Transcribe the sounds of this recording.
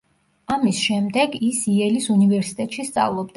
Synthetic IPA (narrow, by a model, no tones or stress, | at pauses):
amisʃɛmd̪ɛɡisiɛlisunivɛɾsi̥t̪ʼɛt̪ʼʃist̪sʼa̰vlˠɔb̚d̪